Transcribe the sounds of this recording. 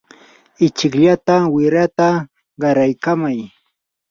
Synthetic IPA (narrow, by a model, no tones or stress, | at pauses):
ɪt͡ʃɪkʎat̪awɪɾat̪a | ɢɑɾajkamaj